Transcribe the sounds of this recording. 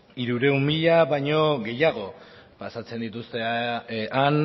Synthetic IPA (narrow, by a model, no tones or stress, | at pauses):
iɾuɾe̞umiʎaβajɲo̞ɣe̞jaɣ̞o̞ | pasat͡se̞nd̪it̪ust̪e̞ | an